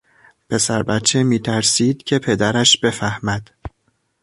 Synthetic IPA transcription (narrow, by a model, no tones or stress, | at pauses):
pʰe̞sæɾbæt̪t͡ʃʰːemiːt̪ʰæɾsiːd̪̥cʰe̞pʰe̞d̪æɾæʃb̥e̞fæhmæd̪̥